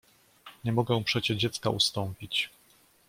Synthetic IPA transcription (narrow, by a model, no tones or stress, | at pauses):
ɲɛmɔɡɛw̃pʂɛt͡ɕɛd͡ʑɛt̪skaʔust̪ɔmpʲit͡ɕ